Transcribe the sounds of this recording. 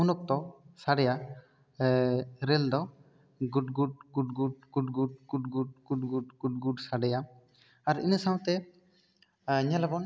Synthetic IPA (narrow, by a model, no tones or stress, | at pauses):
unɔk̚t̪ɔsaɖɛja | ɾɛld̪ɔ | ɡuɖɡuɖɡuɖɡuɖɡuɖ̚ɡuɖ̚ɡuʈɡuɖ̚ɡuɖɡuɖɡ̥uɖ̚ɡuɖsaɖɛja | aɾḭnəsaw̃t̪ɛ | ɲalabɔn